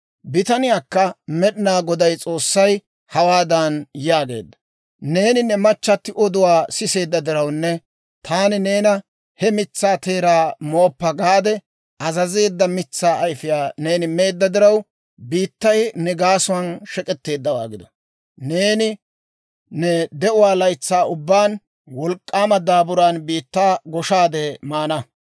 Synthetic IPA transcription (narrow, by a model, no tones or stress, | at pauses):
bɪt̪ɐnɪjaːkːɐmɛɗɪnaːɡɔd̪ɐjt͡sʼo̞ːsːɐj | hɐwaːd̪ɐnjaːɡe̞̰ːd̪ːɐ̥ | ne̞ːnɪnːɛmɐt͡ʃːɐt̪ːɪʔɔd̪ʊwaːsɪse̞ːd̪ːɐd̪ɪɾɐwnːɛ | t̪ʰaːnɪne̞ːnɐ | hɛmɪt͡sːaːt̪e̞ːɾaːmo̞ːpːɐɡaːd̪ɛ | ʔɐzɐze̞ːd̪ːɐmɪt͡sːaːɐjfɪjaːne̞ːnɪme̞ːd̪ːɐd̪ɪɾɐw | biːt̪ːɐjnɛɡaːsʊwɐnʃɛkʼɛt̪ːe̞ːd̪ːɐwa̰ːɡɪd̪ɔ̥̰ | ne̞ːnɪ | nɛd̪ɛʔʊwaːlɐjt͡sːaːʔʊbːaːn | wɔlkʼːaːmɐd̪aːbʊɾaːnbiːt̪ːaːɡɔʃaːd̪ɛmaːnɐ